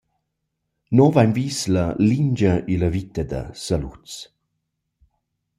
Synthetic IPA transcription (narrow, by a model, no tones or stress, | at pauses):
nɔvajmviːslɐliɲd͡ʒɐilɐvit̪əd̪ɐ̰salṵt͡s